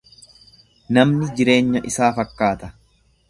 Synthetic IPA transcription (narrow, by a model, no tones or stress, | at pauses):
nɐmnɪd͡ʒɪɾe̞ːɲːɐʔɪsaːfɐkːaːt̪ɐ̥